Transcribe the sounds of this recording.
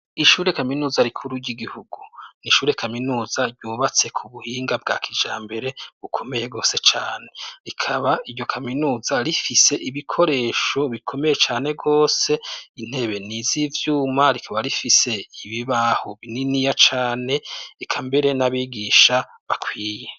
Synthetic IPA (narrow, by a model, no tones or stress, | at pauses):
iʃuːɾe̞kaminuːzaɾikʰuɾuɟiɡihuɡuniʃuːɾe̞kʰaminuːzaɾɟuːβat͡se̞kʰuβuhiːŋɡab̚ɡa̰ːkʰid͡ʒaːmbe̞ɾe̞βukʰo̞me̞jeɡo̞ːse̞t͡ʃaːne̞ɾikʰaβaiɾɟo̞kʰaminuːzaɾifise̞ʔiβikʰo̞ɾe̞ːʃo̞βikʰo̞me̞je̞t͡ʃaːne̞ɡo̞ːse̞in̥he̞βe̞nizivjuːmaɾikʰaβaɾifise̞iβiβahoβininijat͡ʃaːne̞ekʰambe̞ɾe̞naβiɡiʃa | βakʰwiːje